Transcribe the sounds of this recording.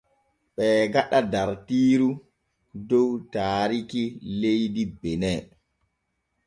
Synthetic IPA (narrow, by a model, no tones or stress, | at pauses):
ɓɛːɡaɗadaɾtiːɾu | dɔwtaːɾikilejdibɛnɛ